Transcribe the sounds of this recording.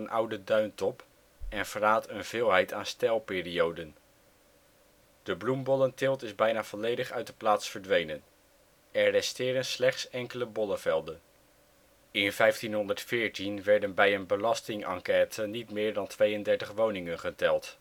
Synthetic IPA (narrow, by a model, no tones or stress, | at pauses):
ənʔʌ̰wdədœɥntɔp | ɛnv̥əraːtənv̥ɪːlˠɦɛjtʰaːnstɛlˠpɪːriowdən | d̥əblumbɔləntɪlˠtɪzbɛjnaːv̥ɔlejdəχœɥt̚dəplaːtsfəɹdʋejnən | ɛɹːɛstɪːɾənslɛχtsɛŋkələbɔləvɛlˠdən | ɪnvɛjftinɦɔndəɹtfɪːɹtinʋɛɹdənbɛjənbəlɑstɪŋɑ̰ŋkɛːtənitmɪːɹdɑntʋejəndɛɹtəχʋownɪŋənχətɛlˠt